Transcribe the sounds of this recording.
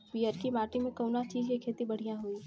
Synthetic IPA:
ʋiːəɾkimaːʈimẽkɐʊnat͡ʃiːd͡ʒkikʰeːt̪ibɐɽ̤ijãɦoiː

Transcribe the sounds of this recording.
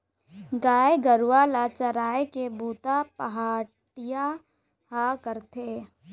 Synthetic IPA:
ɡaːeɡəɾuwaːlat͡ʃəɾaːekebuːt̪apəɦaː | ʈɪja | ɦakəɾt̪ʰeː

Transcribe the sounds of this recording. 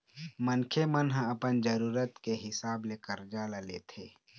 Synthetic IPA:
mənkʰemənɦə̃ɐpənd͡ʒəɾuːɾət̪keɦɪsaːblekəɾd͡ʒalalḛt̪ʰḛː

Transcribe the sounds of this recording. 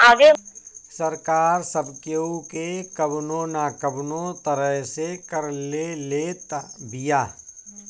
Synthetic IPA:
aːɡesəɾkaːɾsəbkeukekəbnõnaːkəbnõt̪əɾəɦsekəɾlelet̪bijaː

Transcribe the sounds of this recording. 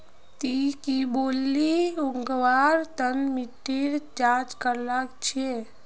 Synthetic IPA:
t̪ikibolːiuŋɡʋaɾt̪ənmiʈːiɾd͡ʒad͡ʒkəɾləkt͡ʃʰie

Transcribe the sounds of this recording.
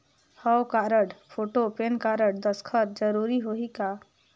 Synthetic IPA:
hɔwkaːɾəʈpʰoːʈopenkaːɾəʈ̚d̪əskʰəɾd͡ʒəɾuːɾiɦoikaː

